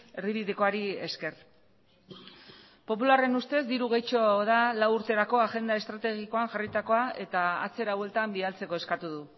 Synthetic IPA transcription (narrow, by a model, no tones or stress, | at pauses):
e̞rβiβiðiko̞aɾie̞̰ske̞r | po̞pulare̞nust̪e̞zd̪iɾuɣejt͡ʃo̞ðalawuɾt̪e̞ɾako̞aʝe̞nd̪ae̞st̪ɾat̪e̞ɣiko̞aŋʝarit̪ako̞ae̞t̪aa̰t͡se̞ɾawe̞lt̪ambialt͡se̞ko̞e̞skat̪uðu